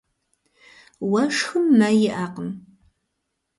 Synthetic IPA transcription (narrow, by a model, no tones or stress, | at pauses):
wɐʂxɨmːɐjɪʔaːqəm